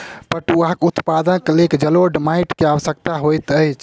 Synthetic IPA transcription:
pəʈuakut̪pad̪ənklekd͡ʒəloɖmajʈkeaʋəsəkt̪aɦojt̪əjt͡ʃʰ

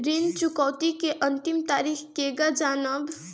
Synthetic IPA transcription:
ɾɪnt͡ʃʊkɔːt̪ikeʔə̃nt̪ɪmt̪aːɾiːxkeːɡad͡ʒaːnəb

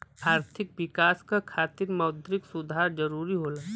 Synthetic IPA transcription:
aːɾt̪ʰɪkwɪkaːskakʰaːt̪ɪɾmɐʊd̪ʱɾɪksʊd̪ʱaːɾd͡ʒɐɾuːɾiɦoːlaː

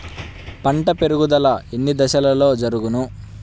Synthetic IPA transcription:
pɐɳʈɐpe̞ɾuɡud̪ɐlɐenːid̪ɐʃɐlɐlo̞ːd͡ʒɐɾuɡunu

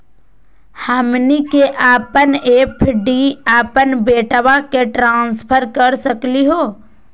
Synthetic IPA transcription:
həmnikeʔaːpəneːpʰɖiaːpənbeːʈʋakeʈɾãːnspʰəɾkəɾsəkliɦoː

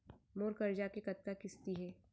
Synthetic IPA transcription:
moːɾkɐɾd͡ʒakekɐt̪̚kakɪst̪iɦɛː

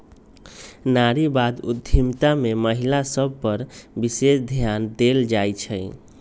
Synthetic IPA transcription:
naɾibad̪ṵd̪ʱimt̪ameməɦilasəb̚ʱpəɾbisesd̪ʱjand̪eld͡ʒajt͡ʃʰəɪ

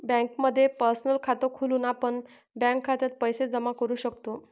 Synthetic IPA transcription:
bɛ̃ŋkməd̪ʱːjepəɾsnəlkʰat̪okʰuluːnapəɳ | bɛ̃ŋkʰːat̪jat̪̚pəjsed͡zəmakəɾuːɕəkt̪o

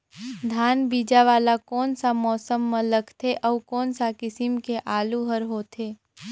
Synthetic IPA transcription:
d̪ʱaːnbiːd͡ʒaʋaːlakɔːnsamɔːsəmːə̃ləɡt̪ʰeʔɔːkɔːnsakɪsɪmkeʔaːluɦəɾɦoːt̪ʰeː

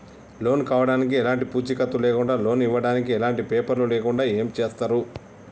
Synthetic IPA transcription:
lo̞ːnkaːʋɐɽaːnikiɛlaːɳʈipuːt͡ʃikɐt̪ːuleːkuɳɖaːlo̞ːniʋːɐɽaːnikiɛlaːɳʈipeːpɐɾluleːkuɳɖaːeːmt͡ʃeːst̪aːɾu

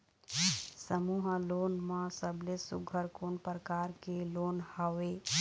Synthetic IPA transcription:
səmuɦəloːnmãsəblesṵɡʱəɾkoːnpɾəkaːɾkeloːnhawe

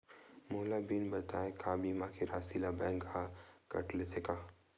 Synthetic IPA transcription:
mʊːlabinbɐt̪aːekʰaːbiːmãkʰeɾaːsilabɛ̃ːŋɡakɐ̰ʈlet̪ʰekaː

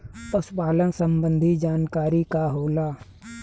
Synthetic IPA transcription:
əspaːlənsə̃mbə̃nd̪ʱid͡ʒaːnkaːɾikaɦoːlaː

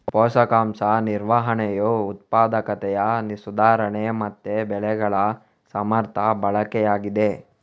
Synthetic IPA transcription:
pɔːʃɐkaːmsɐniɾʋaɦɐɳɛjuut̪̚paːd̪ɐkɐt̪ɛjɐnisud̪aːɾɐɳemɐt̪ːebɛɭɛɡɐɭɐ | sɐmɐɾt̪ʰɐbɐɭɐkɛjaːɡid̪e

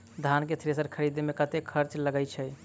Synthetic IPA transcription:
d̪ʱanket̪ʰɾesəɾkʰəɾid̪mekət̪ekʰəɾt͡ʃləɡəjt͡ʃʰɛ

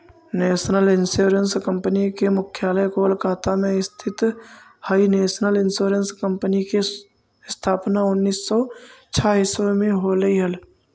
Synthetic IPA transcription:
neːsnəlɪnsoːɾənskə̃mpənikemʊkʰjaːləjkolkʰaːt̪amẽɪst̪ʰɪt̪ | haːineːsnəlɪnsoːɾənskə̃mpənike | st̪ʰaːpnaʊnːiːsːɔt͡ʃʰaːɦisomẽɦoːləiɦəl

